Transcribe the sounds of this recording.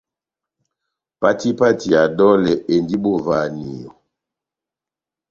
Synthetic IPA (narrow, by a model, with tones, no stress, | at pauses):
pa˦ti˦pa˦ti˨a˨dɔ˦lɛ˨ʔe˨ndi˦bo˦˨va˨ni˨jo˨